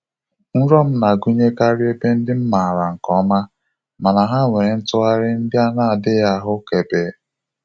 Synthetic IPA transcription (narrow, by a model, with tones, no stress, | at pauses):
n̩˦ɾɔ˦m̩˦na˨ɡu˦ɲe˦ka˦ɾɪ˦e˦be˦n̩˦dɪ˦m̩˦ma˨ɾa˨ŋ̩˨kɔ˦ma˦ | ma˨na˨ɦa˦ŋʷe˨˦n̩˦tʊ˦a˦ɾɪ˦n̩˦dja˦na˦a˨dɪ˦ja˦ɦʊ˦ke˨beː˨˦